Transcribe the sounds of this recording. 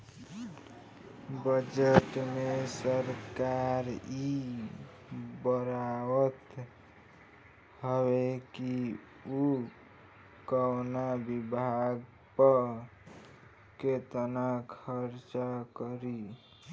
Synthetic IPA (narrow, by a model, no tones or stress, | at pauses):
bəd͡ʒəʈmesəɾkaɾi | bəɾawət̪ | həβeki | u | kəwnabibʱaɡ | pə | ket̪ənakʰəɾt͡ʃakəɾi